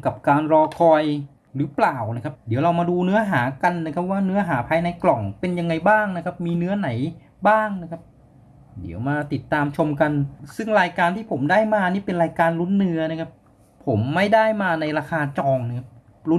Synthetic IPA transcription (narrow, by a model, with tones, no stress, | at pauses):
ka˨˩p̚kaː˧nɾɔː˧kʰɔː˧j | ɾɯː˩˦plaː˨˩wna˦˥kʰa˦˥p̚di˩˦wɾa˧wmaː˧duː˧nɯ˦˥ɐɦaː˩˦ka˧nːa˦˥kʰa˦˥p̚waː˥˩nɯ˦˥ɐɦaː˩˦pʰaː˧jna˧jklɔ˨˩ŋpe˧nja˧ŋːa˧jbaː˥˩ŋna˦˥kʰa˦˥p̚miː˧nɯ˦˥ɐna˩˦j | baː˥˩ŋn˦˥kʰa˦˥p̚ | dḭ˩˦əwmaː˧t̪i˨˩t̪ːaː˧mt͡ɕʰo˧mka˧nsɯ˥˩ŋɾaː˧jkaː˧nt̪ʰiː˥˩pʰo˩˦mdaː˥˩jmaː˧niː˥˩pe˧nɾaː˧jkaː˧nlu˦˥nːɯ˦˧˥ɐna˦˥kʰa˦˥p̚ʰː | o˩˦mːa˥˩jda˥˩jmaː˧na˧jɾaː˧kaː˧t͡ɕɔː˧ŋna˦˥kʰa˦˥p̚ | lu˦˥